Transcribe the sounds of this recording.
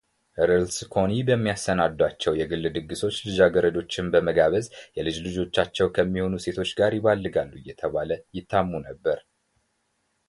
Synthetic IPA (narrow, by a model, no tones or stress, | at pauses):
ʔɨɾɨlskʰo̞nibəmːijasːənad̪wat͡ʃːɛwjɛɡɨlːɨd̪ɨɡːɨso̞t͡ʃːlɨd͡ʒaɡəɾəd̪o̞t͡ʃːɪnbəməɡaβəzjɛlɨd͡ʒlɨd͡ʒo̞t͡ʃːat͡ʃːɛwkʰəmːiho̞nuse̞t̪ʰo̞t͡ʃːɡaɾjɪβalːɨɡalːujːɛt̪ʰəβaləjɪt̪ʰːamːunəbːəɾ